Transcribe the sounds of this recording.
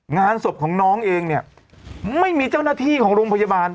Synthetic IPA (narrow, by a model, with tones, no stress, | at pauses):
ŋaː˧nso˨˩p̚kʰɔː˩˦ŋnɔː˦˥ŋʔeː˧ŋni˥˩ɐ | ma˥˩jmiː˧t͡ɕa˥˩wnaː˥˩t̪ʰiː˥˩kʰɔː˩˦ŋɾoː˧mpʰa˧ja˧baː˧n